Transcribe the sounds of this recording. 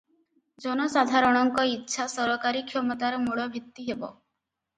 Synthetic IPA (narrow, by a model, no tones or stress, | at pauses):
d͡ʒɔnɔsad̪ʱaɾɔɽ̃ɔŋkɔitːʃʰasɔɾɔkaɾikʰjɔmɔt̪aɾɔmuɭɔbʱit̪ːiɦebɔ̰